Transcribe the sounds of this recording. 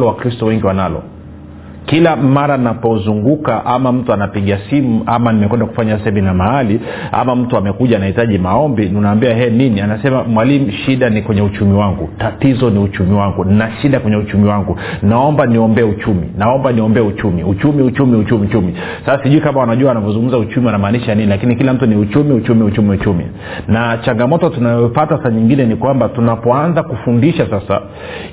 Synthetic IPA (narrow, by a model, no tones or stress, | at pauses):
lɔwakɾistɔwɛŋɡiwanalɔ̰ | kilamaɾanapɔzuŋɡukaʔamam̩tuanapiɠiasimuʔamanimɛkwɛndaku̥faɲasahɛminamahali | a̰mam̩tuamɛkuʄaːnahitaʄimaɔmbinunaːmbiahɛninianasɛmamwalimuʃiɗanikwɛɲɛut͡ʃumiwaŋɡutatizɔniut͡ʃumiwaŋɡuninaʃiɗakwɛɲɛut͡ʃumiwaŋɡu | naɔmbaniɔmbɛɛut͡ʃumḭnaɔmbaniɔmbɛɛut͡ʃumiut͡ʃumiut͡ʃumiut͡ʃumit͡ʃumi | sasasiʄuikamawanaʄuaanavɔzũŋɡum̩zaut͡ʃumianamaːniʃaaninilakinikilam̩tuniut͡ʃumiut͡ʃumiut͡ʃumiut͡ʃumḭ | nat͡ʃaŋɡamɔtɔtunajɔfataasaaɲiŋɡinɛnikwambatunapɔanzakufundiʃasasa̰